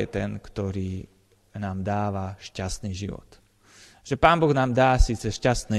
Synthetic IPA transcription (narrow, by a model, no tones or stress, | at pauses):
ɛ̰t̪ɛnkt̪ɔɾiː | naːmd̪aːʋaʃcast̪niːʒiʋɔ̰t̪ | ʒ̥ɛpaːnbɔɣnaːmd̪aːsiːt͡sɛʃcast̪niː